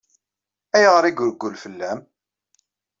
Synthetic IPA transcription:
æjʁɾiɡʊɾəɡʷːulfəlːæm

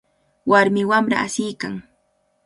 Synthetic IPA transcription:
waɾmɪwamɾa̰asɪjka̰ŋ

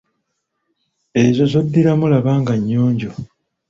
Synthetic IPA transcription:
e̞zo̞zod̪ːiɾamulaβaːŋɡaɲːoːɲɟo

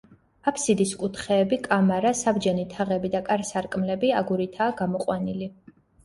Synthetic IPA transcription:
apʰsid̪iskʼut̪ʰχɛːbikʼamaɾasabd͡ʒɛnit̪ʰaʁɛbid̪akʼaɾsaɾkʼmlɛbiaɡuɾit̪ʰaːɡamɔqʼwanili

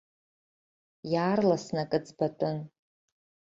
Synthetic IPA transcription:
jaːrlasnakʼɨt͡sbatʼʊn

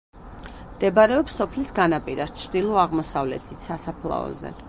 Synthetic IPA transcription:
md̪̥ɛbaɾɛɔpsɔpʰlisɡanapʼiɾast͡ʃʰɾd̪ilˠɔaʁmɔsavlɛt̪ʰit̪ʰsasapʰlˠa̰ɔ̰zɛ̰

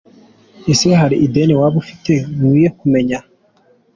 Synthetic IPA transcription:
eseɦaɾiʔideːnewaːβufi̥teŋuːjekumeɲa

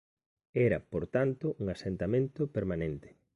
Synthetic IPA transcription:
ɛɾɐ̰poɾt̪ant̪ʊʔuŋasent̪amẽnt̪opeɾmanent̪e̥

